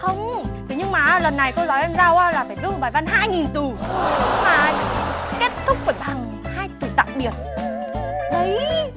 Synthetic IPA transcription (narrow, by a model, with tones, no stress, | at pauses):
xə˧wŋ͡mt̪ʰi˨˦ɲɨ˧ŋmaː˨˩ʔlə˨˩nːa˨˩jko˧zɔː˨˦jʔɛ˧mzaː˧wʔaː˧laː˨˩faː˧˩jzu˧˦˩ɓaː˨˩jva˧nɦa̰ː˧jŋi˨˩nt̪u˨˩maː˨˩ | ke˦˥t̚t̪ʰʊ˦˥k͡p̚vəː˧˩jɓa˨˩ŋ | haː˧jt̪ɨ˨˩t̪a̰ː˧˨ŋ͡mɓi˨˩ət̚ | ɗə˨˦j